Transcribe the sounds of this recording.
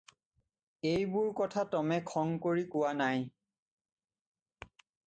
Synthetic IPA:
ejbʊɹkɔtʰatɔmɛkʰɔŋkoɹikʊwanaj

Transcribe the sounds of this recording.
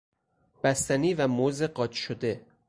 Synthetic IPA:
b̥æst̪æniːvæmozeɢɒːt͡ʃʃod̪e̞

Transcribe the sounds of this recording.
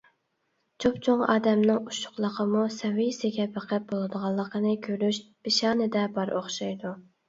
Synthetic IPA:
t͡ʃʰopt͡ʃʰoŋɑ̰ːd̪ɛmnɪŋuʃʊ̥χlˠəqʰəmusɛwɪjsɪɡʲɛpæqʰæp̚bolˠɨd̪əʁɑlˠːəqʰənɨkʲʰøɾyʃb̥ɪʃɑːnɨd̪ɛbɑɾʔoχʃɑjd̪u

